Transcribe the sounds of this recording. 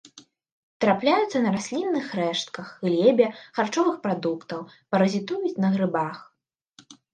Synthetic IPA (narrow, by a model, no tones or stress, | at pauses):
t̪ɾaplʲajut̪sːɐnɐɾasʲlʲinːɨxɾɛʂt̪̚kɐxlʲɛbʲɛxart͡ʂɔvɨxpɾad̪ukt̪ɐw | pɐɾɐzʲit̪ujut͡sʲnɐɣɾɨbax